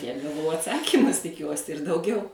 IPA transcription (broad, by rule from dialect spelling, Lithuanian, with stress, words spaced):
tʲiɛk ɡɐˈʋɐʊ ɐtˈsɑːkʲiːmʊs tʲɪˈkʲuɔsʲɪ ɪr dɐʊˈɡʲɛʊ